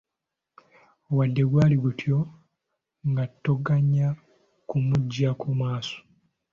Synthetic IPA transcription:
wadːe̞ɡwaːliɡutʰjo̞ | ŋɡatːoɡaɲːa | kumuɟːakʰumaːso̥

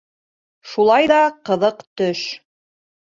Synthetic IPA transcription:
ʃulˠɑjðɑqɤ̆ðɤqt̪ɵʃ

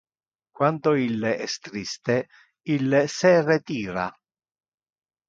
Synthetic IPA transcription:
kwand̪oilːeʔɛst̪ɾist̪e | ilːesɛret̪iːɾa̰

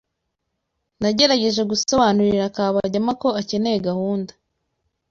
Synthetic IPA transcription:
naɟe̞ɾaɟe̞ʒe̞ɡuso̞βanuɾiɾakaːβaɟamako̞ace̞ne̞jeɡahuːndḁ

